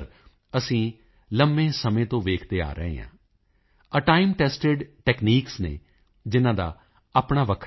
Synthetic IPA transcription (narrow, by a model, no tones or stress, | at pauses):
ɾ | əsĩː | ləmbẽːsəmẽːt̪õːʋeːkʰd̪eːa̰ːɾə̰ɦḛ̃ːɦã̰ː | əʈaːɪmʈɛːsʈɪɖʈɛːkniːksnḛː | d͡ʒɪnãːd̪a̰ː | aːpɳaːʋəkʰ